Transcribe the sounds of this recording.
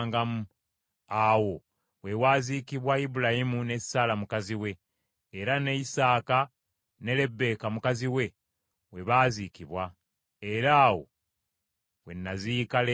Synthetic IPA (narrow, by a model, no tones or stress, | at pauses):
ŋɡamu | awo̞ | we̞waːzikiβwaibulajimune̞ssalamukaziwe̞ː | ɾaneisaːka | ne̞le̞bːe̞ːkamukaziwe̞ | we̞βaːzikiβwa | eɾaːwo̞̰ | we̞nːazikale